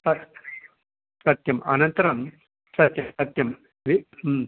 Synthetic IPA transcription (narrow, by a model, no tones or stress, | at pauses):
sɐ | sɐt̪jɐmɐ̰nɐnt̪ɐɾɐm | sɐt̪jɐmsɐt̪jɐm | ʋi